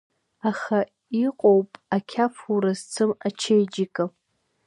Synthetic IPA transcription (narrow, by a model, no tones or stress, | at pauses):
aχa | iqʼowpʼakʲʰapʰuɾazt͡sʰɨmat͡ʃʰejd͡ʒikʼɨ